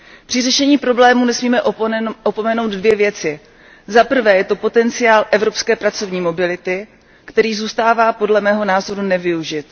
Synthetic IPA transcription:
pr̥ɪrɛʃɛɲiːpɾo̞blɛːmunɛsmiːmɛʔopomɛno̞wd̪dvjɛvjɛt͡sɪ | zapr̩vɛːjɛt̪o̞po̞t̪ɛnt͡sɪaːlʔɛvɾo̞pskɛːpɾat͡so̞vɲiːmo̞bɪlɪt̪ɪ | kt̪ɛɾiːzuːst̪aːvaːpo̞dlɛmɛːɦo̞naːzo̞ɾunɛvɪuʒɪt̪

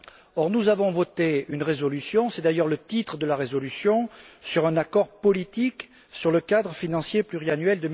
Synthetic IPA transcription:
ɔʁnuzavɔ̃vɔt̪eynʁezɔlysjɔ̃sɛd̪ajœʁlət̪it̪χəd̪əlaʁezɔlysjɔ̃syʁɛ̃nakɔʁpɔlit̪ik | syʁləkad̪ʁəfinɑ̃sjeplyʁianyɥɛld̪ə

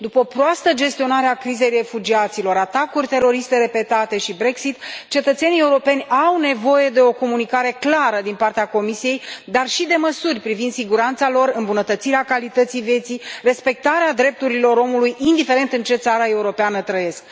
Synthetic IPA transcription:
d̪upəopɾoast̪əd͡ʒe̞st̪io̞naɾeakɾize̞jre̞fud͡ʒiat̪silo̞ɾat̪akurʲt̪e̞ɾo̞ɾist̪e̞ɾe̞pe̞t̪at̪e̞ʃibɾe̞ksit̪t͡ʃe̞t̪ət̪se̞nieuɾo̞pe̞nʲawne̞vo̞je̞d̪e̞o̞ko̞munikaɾe̞klaɾəd̪inpart̪eako̞misije̞jd̪arʃid̪e̞məsurʲpɾivind̪siɡuɾant̪salo̞ɾɨmbunət̪ət̪siɾeakalit̪ət̪sijve̞t̪sire̞spe̞k̚t̪aɾead̪ɾe̞p̚t̪uɾilo̞ɾo̞mulujind̪ife̞ɾe̞nt̪ɨnt͡ʃe̞t̪saɾae̞uɾo̞peanət̪ɾəje̞sk̚

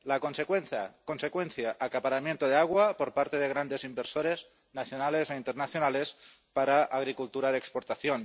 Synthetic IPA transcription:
lakonsekwenθa̰konsekwenθjaʔakapaɾamjent̪oð̞eaɣ̞wapoɾpaɾt̪eðeɣ̞ɾand̪ezimbeɾsoɾez | naθjonalezeint̪eɾnaθjonales | paɾaʔaɣ̞ɾikult̪uɾaðekspoɾt̪aθjon

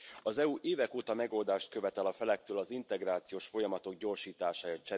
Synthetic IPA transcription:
ɒzɛuʔeːvɛkoːt̪ɒmɛɡo̞ld̪aːʃt̪̚kø̞vɛt̪ɛlɒfɛlɛk̚t̪øːlɒzint̪ɛɡraːt̪sijoːʃfo̞jɒmɒt̪o̞ɡɟo̞rʃiːt̪aːʃaːjɒt͡ʃɛ

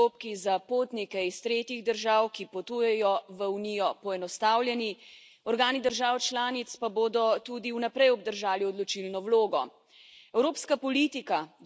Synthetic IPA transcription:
opkizapoːt̪nikɛist̪ɾeːt̪iɣd̪əɾʒaːwkipɔt̪ujɛjɔʋəunijɔpɔɛnɔst̪aːwlʲjɛni | ɔɾɡaːnid̪əɾʒaːwt͡ʃlaːnit̪spaboːd̪ɔt̪ud̪iunɛpɾɛjɔb̚d̪əɾʒaːliɔd̪lɔt͡ʃilnɔwloːɡɔ̰ | ɛwɾoːpskapɔlit̪ika

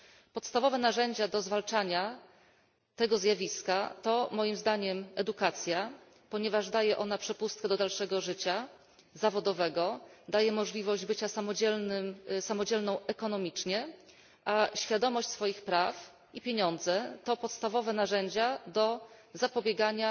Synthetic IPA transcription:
pɔt̪st̪avɔvɛnaʐɛɲd͡ʑad̪ɔzvalt͡ʂaɲa | t̪ɛɡɔzʲjavʲiskat̪ɔmɔjimzd̪aɲɛmɛd̪ukat̪sʲja | pɔɲɛvaʐd̪ajɛʔɔnapʂɛpust̪̚kɛd̪ɔd̪alʂɛɡɔʐɘt͡ɕa | zavɔd̪ɔvɛɡɔd̪ajɛmɔʐlʲivɔʑd͡ʑbɘt͡ɕasamɔd͡ʑɛlnɘmsamɔd͡ʑɛlnɔ̃w̃ʔɛkɔn̪ɔmʲit͡ʂɲɛ | ʔaɕfʲjad̪ɔmɔɕt͡ɕʲsfɔjixpɾaf | ipʲjeɲɔnd̪zɛt̪ɔpɔt̪st̪avɔvɛnaʐɛɲd͡ʑad̪ɔzapɔbʲjeɡaɲa

